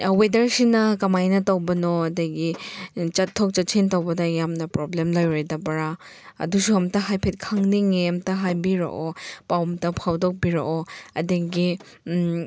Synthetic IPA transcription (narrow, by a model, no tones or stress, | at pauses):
wedɐɾsinɐkɐmajnɐtɐwbɐnoɐdɐɡit͡ʃɐtʰːok̚t͡ʃɐt̚sʰintɐwbɐdɐjamnɐpɾoblemlojɾejdɐbɐɾa | ɐ̰dusuɐmtɐɦajpʰet̚kʰɐŋniŋemtɐɦajbiɾo̰ʔopawmtɐpʰawdɔk̚biɾo̰ɔɐ̰dɐɡi